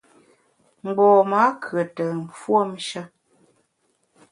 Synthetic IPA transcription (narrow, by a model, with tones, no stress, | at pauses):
m̩˨ɡ͡bɔː˨ma˨˦kʰɰə˨tə˨m̩˨fwo˦˨m̩˦ʃə˦